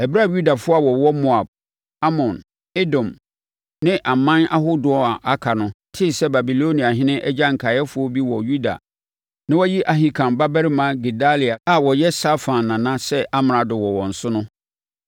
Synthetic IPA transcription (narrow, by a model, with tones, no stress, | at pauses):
ɛ˨bi˦ɾa˦˨ju˦da˨fʊ˦a˨wɔ˨wɔ˦mɔ˦a˨b̚ | a˦mɔ̃˨n | ɪ˦dɔ̃˨m | nɪ̃˦ʔa˨mã˦na˦ɦʊ˦dʊ˨ɔ˦a˨ʔa˦kʰa˨nʊ̃˦tʰɪ˦˨sɛ˦ba˨bi˨lo˦nĩ˨a˨ɦɪ̃˦nɪ̃˦ʔɛ˦d͡ʑa˦ŋ̩˨kʰa˨jɛ˦fʊ˨˦ɔ˦bi˦wɔ˨ju˦da̰˨ | nɪ̃˦wɔ˦ji˦ʔa˨ɦi˨kʰã˨mba˦bɛ˦ɾɪ˦mã˦ɡi˨da˦li˨a˨a˨wɔ˨jɛ˦sa˦fã˨nːã˨nã˦sɛ˦ʔa˦m˨ɾã˨dʊ˨wɔ˨wɔ̃˨n̩˨sʊ˦nʊ̃˦